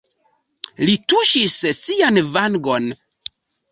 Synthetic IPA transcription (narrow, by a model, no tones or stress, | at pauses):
lituʃissianvaŋɡon